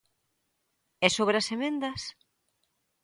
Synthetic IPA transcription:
ɛsoβɾeɐsemẽnd̪ɐs

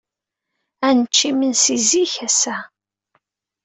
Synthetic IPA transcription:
ænət͡ʃːimənsiziçæsæ

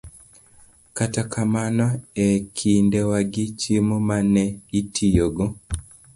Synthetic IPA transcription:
katakʰamanaɛkʰindɛwaɡit͡ʃimomanɛitʰijoɡo

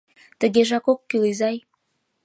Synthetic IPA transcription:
t̪ə̆ɣeʒɑkokːylizɑj

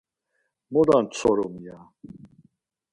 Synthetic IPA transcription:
mɔd̪ant͡sʰɔɾɔmija

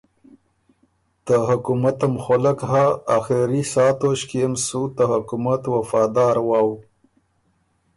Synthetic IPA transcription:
t̪əɦʊkumat̪əmxolakɦaːxeɾisɑːt̪oʃkiemsut̪əhʊkumat̪wafɑːd̪ɑːɾwɑːw

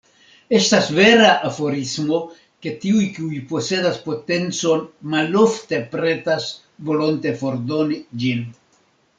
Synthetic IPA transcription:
e̞stasve̞ɾaʔafo̞ɾismo̞ | ke̞tiujkiujpo̞se̞daspo̞te̞nt͡so̞nmalo̞fte̞pɾe̞tas | volo̞nte̞fo̞ɾdo̞nid͡ʒin

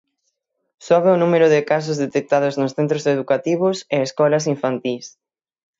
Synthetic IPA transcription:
sɔβeʊnumeɾʊðɪkas̬ʊzðet̪ek̚t̪aðʊznʊsθent̪ɾoseðukat̪iβ̞ʊseeskɔlɐs̬iɱfant̪is

